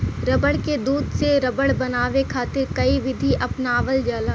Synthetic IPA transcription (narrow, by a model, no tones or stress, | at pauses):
ɾɐbəɽked̪uːd̪seɾɐbəɽbɐnaːʋekʰaːt̪ɪɾkɐiʋɪd̪ʱiʔɐpnaːʋəld͡ʒaːlaː